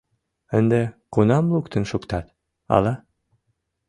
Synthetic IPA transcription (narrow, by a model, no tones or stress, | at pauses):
ɘ̆nd̪ɘqunɑmlˠukt̪ɘ̆nʃukt̪ɑt̪ | ɑ̰lˠɑ